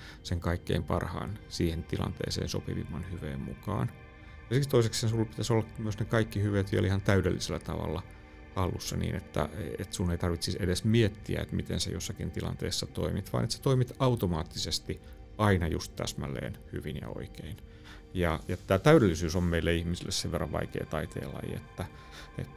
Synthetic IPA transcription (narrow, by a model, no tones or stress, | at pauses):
seŋkɑikːḛimpɑrhɑ̰ːnsiːhent̪ilɑ̰nt̪ḛːsḛːnsopiʋḭmːɑnhyʋḛːmmukɑ̰ːn | jɑsist̪oisekseːnsulːpit̪æsolːɑkmyøsnekɑikːihyʋet̪ʋielihɑnt̪æydelːiselːæt̪ɑʋɑ̰lːɑ | hɑlːusːɑnḭːnet̪ːæ̰et̪sunːeit̪ɑrʋit̪sisedesmiet̪ːiæ̰ḛt̪mit̪ensḛjo̰sːɑkint̪ilɑ̰nt̪eːsːɑt̪oimit̪ʋɑ̰ːnet̪se̥t̪oimit̪ɑut̪omɑːt̪ːisest̪i | ɑinɑjust̪t̪æ̰smælːˑḛːnhyʋinjɑ̰o̰ikein | jɑjɑt̪t̪ːæːt̪æyɾelːisyːsommeilːæihmisilːesseʋʋerːɑʋʋɑ̰ikḛːt̪ɑit̪ḛːlɑ̰jḭḛt̪ːæ | ḛt̪ː